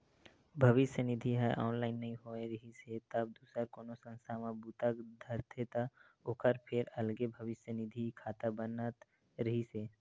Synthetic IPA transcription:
bʱəʋɪsjənɪd̪ʱiɦɛʔɔːnlaːɪnːəɦĩɦoːeɾəɦiset̪əb̚d̪uːsəɾkoːnosə̃nst̪ʰamãbuːt̪əkd̪ʱəɾt̪ʰet̪a | okʰəɾpʰɪɾɐlɡebʱəʋɪsjənɪd̪ʱikʰaːt̪abənət̪ | ɾəɦiseː

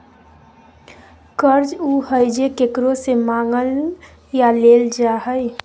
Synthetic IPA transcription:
kəɾd͡ʒuɦəɪd͡ʒekekɾosemãːŋɡəl | jaleːld͡ʒaːɦəj

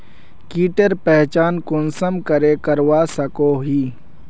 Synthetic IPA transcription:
kiːʈəɾpɛɦt͡ʃaːnkʊnsəmkɐɾeːkɐɾwaːsɐkoːɦiː

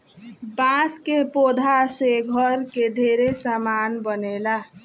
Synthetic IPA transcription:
bãskepod̪ʱaseɡʱʌɾkeɖ̪ʱeɾesamanbənela

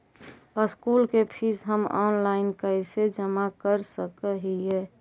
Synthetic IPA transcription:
əskuːlkepʰisɦəmɔːnlaːɪnkəsed͡ʒəmakəɾsəkəɦiɦɛː

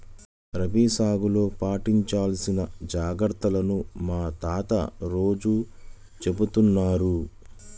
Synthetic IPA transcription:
ɾɐbiːsaːɡulo̞ːpaːʈiɲt͡ʃaːlɐsinɐd͡ʒaːɡɾt̪ːɐlɐnumaːt̪aːt̪ɐ̰ɾo̞ːd͡ʒu | t͡ʃe̞but̪unːaːɾu

